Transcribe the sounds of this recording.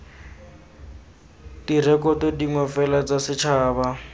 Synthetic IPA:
dirɛkɔtɔdiŋɔfɛlat͡sasɪt͡ʃʰaːba

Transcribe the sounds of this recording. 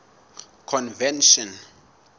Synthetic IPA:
kʰɔnvɛnʃɔn

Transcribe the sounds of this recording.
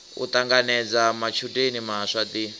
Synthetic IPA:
ṵt̪aŋɡanɛd͡zamat͡ʃʰutʼenimaʂat̪i

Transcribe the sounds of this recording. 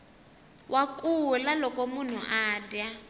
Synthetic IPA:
wʔakʼulalɔkɔmun̤uʔaːdja

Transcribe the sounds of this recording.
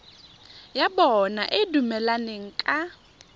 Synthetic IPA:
jabɔnaʔɪdumɛlaneŋ̩kʼa

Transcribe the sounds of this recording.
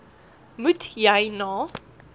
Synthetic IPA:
mʉtjajnɔ̃

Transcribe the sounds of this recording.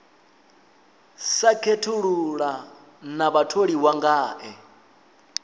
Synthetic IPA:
sakʰetʰuɺuɺa | naβatʰoɺiwaŋɡaːʔɛ

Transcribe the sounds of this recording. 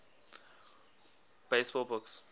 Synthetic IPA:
b̥eɪsb̥ɔlˠbʊks

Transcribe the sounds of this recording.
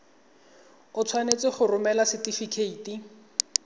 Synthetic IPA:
ʊt͡sʰwanet͡sɪχʊrʊmɛlasɪtifikʰeiːtʼi

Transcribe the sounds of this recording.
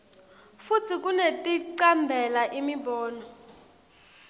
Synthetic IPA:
fut͡sʰik̬ʼunetʼiǀambʱɛlaʔimibɔːnɔ

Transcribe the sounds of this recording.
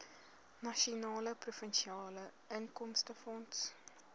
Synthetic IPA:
nɐʃionɑːləprufənʃiɑːlə | əŋkɔmstəfɔnts

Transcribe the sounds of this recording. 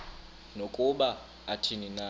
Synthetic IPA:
nokʼuɓa | atʰinina

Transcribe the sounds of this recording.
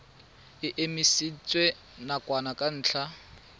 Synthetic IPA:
ɪʔemisit͡sʼwe | nakʼwanakʼan̩ːt͡ɬʰa

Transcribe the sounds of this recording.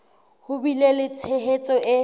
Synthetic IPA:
hʊbilelɪt͡sʰeɦet͡sʼɔʔɪ

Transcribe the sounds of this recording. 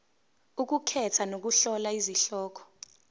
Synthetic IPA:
uk̬ukʰɛtʰanok̬uɬɔlaiziɬɔːkʰɔ̥

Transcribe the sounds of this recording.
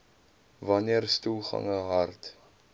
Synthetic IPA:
vɐniərstulˠχɐ̰ŋəɦɐrt

